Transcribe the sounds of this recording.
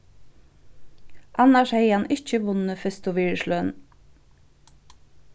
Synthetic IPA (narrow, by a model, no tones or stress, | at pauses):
ʔɑnɑʃheɪɑnʔɪçəʋʊnəfʏst̪ʊʋiːɹʃlœːn